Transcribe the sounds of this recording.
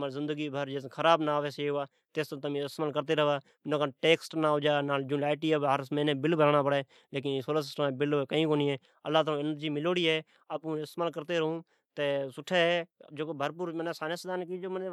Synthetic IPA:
maːɾzɪ̃nd̪əɡiːbʱəɾd͡ʒeːskʰəɾaːbnaːʋeːseɦʊaː | t̪eːst̪ːt̪əmĩːɪst̪maːlkəɾt̪eːɾəʋaː | nõːkaʈeːksʈnaːɦoːd͡ʒaːnaːd͡ʒũːlaːɪʈiːəɦəɾsəməːnẽːbɪlbəɾaːnaːpəɽeː | leːk̬ɪnːsoːləːs̬ɪsʈəmeːbɪlːkəĩːkoːnĩːɦɛː | əlːaːt̪ːõːɪnəɾd͡ʒiːmɪloːɽiːɦɛː | aːpũːɪst̪maːlkəɾt̪eːɾəɦũː | t̪eːsʊʈʰːeːɦɛːd͡ʒoːkoːbʱəɾpuːɾməneːsaːnəsd̪aːnkiːd͡ʒoːmən

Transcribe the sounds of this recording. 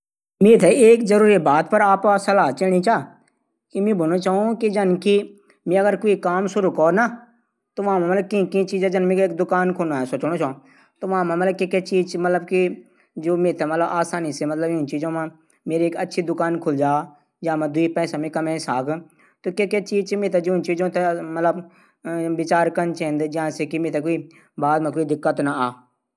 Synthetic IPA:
mẽːt̪ʰeeːkzəɾuːɾibaːt̪pəɾaːpsɐlaːt͡ʃeːɽ̃ĩt͡ʃaː | kimẽːbʊnõt͡ʃaːũkid͡ʒɐnki | mẽːɐɡəɾkoːikaːmsʊɾukɔːna | t̪oːʋãmẽmɐt̪ləb̚kĩkĩt͡ʃiːd͡ʒẽd͡ʒɐnmẽːkeːkd̪ʊkaːnkʰonaɛsoːt͡ʃñot͡ʃaːõ | t̪oːʋãmãmɐt̪ləb̚kekːet͡ʃiːzmɐt̪ləbki | d͡ʒoːmẽːt̪emət̪ləbaːsaːniːsemɐt̪ləbt͡ʃiːd͡ʒõːmã | meːɾieːkətːʃʰid̪ʊkaːnkʰʊld͡ʒaː | d͡ʒãːmãːd̪ʊiːpɛ̃ːsamẽːkəmẽːsaːɡ | t̪oːkeːket͡ʃiːd͡ʒt͡ʃimẽːt̪̬ed͡ʒʊnt͡ʃiːd͡ʒõːt̪emət̪ləb | ʋɪt͡ʃaːɾkənt͡ʃẽnd̪d͡ʒɪãːseːkimẽːt̪ekoːiː | baːd̪mãkoːiːd̪ɪkːət̪naaː

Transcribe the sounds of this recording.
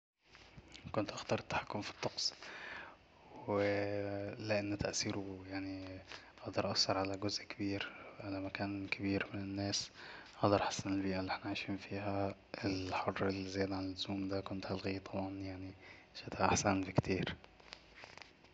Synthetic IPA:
kʊnt̪ʔaxt̪ɑɾˤɪt̪ːḁħakːʊmfi̥t̪ˤːɑqsˤ | wɪ | lɪʔanːt̪aʔsiːɾujaʕniʔɑhd̪ɑɾˤʔɑshɑɾˤʕalaɡʊzʔkɪbiːɾʕalamakaːnkʰɪbiːɾmɪnɪnːaːsʔɑʔd̪ˤɑɾˤʔħḁsːanɪlbiːʔalːiʔɪħnaʕaːʃiːnfiːɦa | ɪlħʊrːɪlzajaːd̪aʕanɪlːʊzuːmd̪akʊnt̪halɣiːt̪ˤʰːɑbʕɑnjaʕni | ʃat̪aʔaħsanbikt̪ʰiːɾ

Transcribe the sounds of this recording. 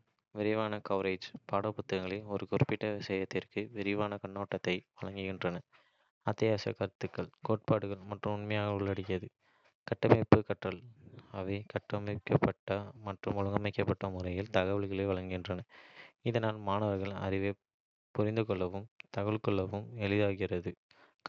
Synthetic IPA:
ʋɛɾɪʋaːnɐkɐʋɾeːd͡ʒpaːɽɐpːʊt̪ːɐɣɐŋɡɐɭɪɔɾɯkʊrɯpːɪʈːɐʋɪsɐjɐt̪ːɪrkɯʋɛɾɪʋaːnɐkɐɳːoːʈːɐt̪ːɐɪʋɐɭɐŋɡɯɣɪndrɐnɐ | ɐt̪ːɪjaːsɐ̰kɐɾt̪ːɯkːɐɭkoːʈ̚paːɽɯɣɐɭmɐʈrɯmʊɳmɐjaːɣɐʊɭːɐɽɪkːɪɐðɯ | kɐʈːɐmɐɪpːɯkɐʈrɐɭɐʋɐɪkɐʈrɐmɐɪkːɐpːɐʈːɐmɐʈrɯmɔɻɯŋɡɐmɐɪkːɐpːɐʈːɐmʊrɐjɪlt̪ɐɣɐʋɐɭɣɐɭɐʋɐɭɐŋɡɪndrɐnɐɪðɐnaːlmaːnɐʋɐɾɣɐɭɐ̰rɪʋe | pʊɾɪnd̪ɯkɔɭːɐʋɯmt̪ɐɣɐɭkɔɭːɐʋɯmɛɭɪðaːɣɪrɐðɯ

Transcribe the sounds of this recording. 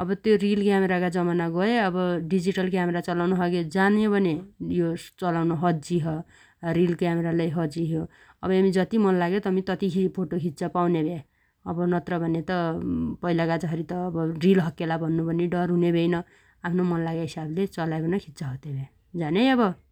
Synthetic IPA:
ʌbʌt̪jorilkjameɾakad͡zʌmanaɡʌeʌbʌɖid͡ziʈʌlkjameɾat͡sʌlawnoɦʌɡed͡zanjobʱʌnejot͡sʌlawnoɦʌd͡ziɦʌ | ɾilkjameɾalajɦʌd͡ziɦjo | ʌbʌamid͡zʌt̪imʌnlaɡet̪ʌmit̪ʌt̪ikʰipʰoʈokʰit̪t͡sapawnebʱe | ʌbʌnʌt̪rʌbʱʌnet̪ʌpʌilakad͡zʌɦʌɾit̪ʌːbʌrilɦʌkːelabʱʌnːubʱʌniɖʌrɦunebʱejnʌ | apʰnomʌnlaɡaɦisablet͡sʌlaekonʌkʰit̪saɦʌt̪ebʱe | d͡zanejʌbʌ

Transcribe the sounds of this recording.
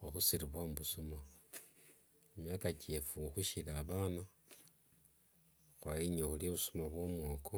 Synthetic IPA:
oxusiɾiβwamuβusuma | emjaːkat͡ʃefuxuʃilaːβaːna | xwajiɲoxulioβusumaβwomwoːkʰo

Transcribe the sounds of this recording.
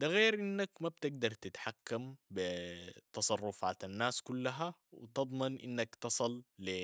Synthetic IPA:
d̪aɣeːɾʔinːakmabt̪ɪɡ̚d̪ɑɾˤt̪ɪt̪ħakːambɪt̪ɑsˤɑrˤːʊfaːt̪anːaːskulːaɦawɪ̰t̪ɨd̪ˤmɑnʔḭnːakt̪ɨsˤɨlːi

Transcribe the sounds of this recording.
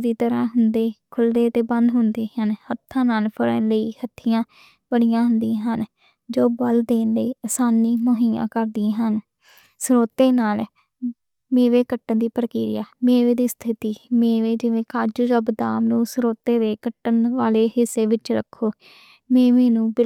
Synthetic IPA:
d̪iːt̪əɾãːɦʊnd̪eːkʰʊld̪eːt̪eːbənd̪ɦʊnd̪eːɦənhət̪ʰːãːnaːlpʰəɽə̰̃ləiːhət̪ʰːɪjãː | b̥əɽijãːɦʊnd̪ĩːɦən | d͡ʒoːbəld̪eːnləiːəsaːniːmoɦiːã̰ːkəɾd̪ĩːɦən | sɾoːt̪eːnaːl | meːʋeːkəʈːənd̪iːpəɾkiːɾɪja̰ːmeːʋeːd̪iːst̪ʰɪt̪iːmẽːʋeːd͡ʒɪʋẽːkaːd͡ʒud͡ʒəbd̪aːmnũːsɾoːt̪eːd̪eːkəʈːənʋaːleːhɪsːeːʋɪt͡ʃɾə̰kʰːoː | mẽːʋeːnũːbɪ

